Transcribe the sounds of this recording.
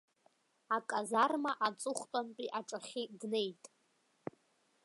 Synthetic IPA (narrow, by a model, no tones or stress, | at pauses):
akʼazarmaʔat͡sʼʊχʷtʼanpʼiʔaʈ͡ʂʼaχʲidne̞jtʼ